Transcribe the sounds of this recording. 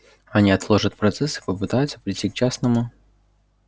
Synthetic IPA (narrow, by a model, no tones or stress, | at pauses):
ɐnʲiɐt̪lˠo̞ʐət̪̚pɾɐt̪sɛsɨ̥pəpɨt̪ajʊt̪sə̥pɾʲɪtʲːik̚t͡ɕasnəmʊ